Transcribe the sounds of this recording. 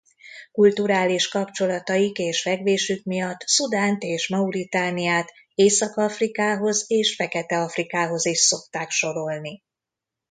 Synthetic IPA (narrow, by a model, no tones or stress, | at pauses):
kult̪uɾaːliʃkɒpt͡ʃo̞lɒt̪ɒjikeːʃfɛɡveːʃykmijɒt̪ːsud̪aːnt̪eːʃmɒuɾit̪aːnijaːt̪ | eːsɒkɒfrikaːɦo̞zeːʃfɛkɛt̪ɛɒfrikaːɦo̞ziʃso̞k̚t̪aːkʃo̞ɾo̞lni